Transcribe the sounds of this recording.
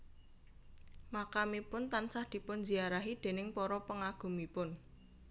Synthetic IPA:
makamipʊnt̪ansahd̪̥i̤pʊnd͡ʒiaɾaɦid̪̥e̤nɪŋpɔɾɔpəŋaɡ̥ṳmipʊn

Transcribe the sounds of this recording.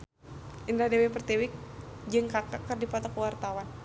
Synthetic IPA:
ʔindadewepərt̪ɛwɪk̚d͡ʒɨŋkakakərdipat̪ɔkəwart̪awan

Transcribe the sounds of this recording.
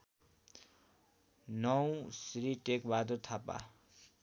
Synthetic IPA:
nʌwsɾiʈekbad̪urt̪ʰapa̰

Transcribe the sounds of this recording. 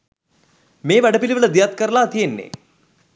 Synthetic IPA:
meːʋæɖəpiliʋələd̪ijat̪kəɾəlaːt̪ijenːḛ

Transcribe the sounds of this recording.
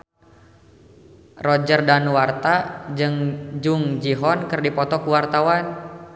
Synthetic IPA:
rɔd͡ʒərdanwart̪ad͡ʒɨŋd͡ʒuŋd͡ʒiɦɔnkərdipɔt̪ɔkuwart̪awan

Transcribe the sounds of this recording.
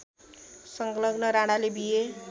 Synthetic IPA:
sʌŋklʌɡnʌɾaɽalebije

